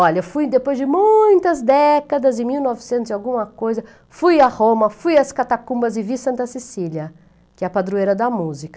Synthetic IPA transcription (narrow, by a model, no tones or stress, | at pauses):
ɔʎɐfujd̪epojzd͡ʒɪmũj̃t̪ɐzd̪ɛkɐd̪ɐzɪ̃miwnɔvɪsẽnt̪ʊzawɡũmɐkojzɐ | fujahõmɐfujɐskat̪akũbɐzɪvisɐ̃nt̪ɐsesiliɐ | kɪɛɐpad̪ɾuejɾɐd̪ɐmuzikɐ